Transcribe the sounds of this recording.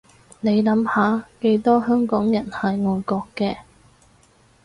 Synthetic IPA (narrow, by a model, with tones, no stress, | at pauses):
ne˨˧jlɐ˨˥mhaː˨˧ke˧jt̪ɔː˥hœː˥ŋkɔː˨˥ŋjɐ˨˩nhɐ˨jŋɔː˨˧jkɔː˧kːɛː˧